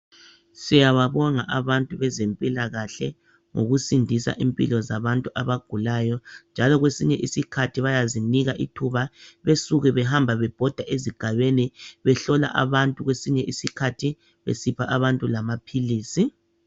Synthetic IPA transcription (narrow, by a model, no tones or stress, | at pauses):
sijaβaβɔŋa̰ʔaβantʼuβɛzempʼilaɣaɬɛ | ŋoɣusindʱisa̰ʔimpʼḭlɔzaβantʼuʔaβaɡ̥ʱulajɔnd͡ʒʱalɔɣwesiɲɛʔisikʰatʰiβajaziniɣaʔḭtʰuβaβesuɣɛβɛɦambʱaβɛb̥ʱɔd̥ʱaʔeziɡ̥ʱaβeniβɛɬɔla̰ʔa̰βantʼuɣwesiɲɛʔisikʰatʰi | βḛsipʰaʔaβantʼulamapʰiliːsi